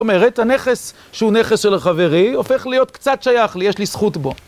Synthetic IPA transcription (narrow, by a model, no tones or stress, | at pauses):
omeʁethane̞χes | ʃeuneχesʃe̞laχave̞ʁio̞fe̞χlijo̞t̪kt͡satʃajaχlijeʃlisχutbo̞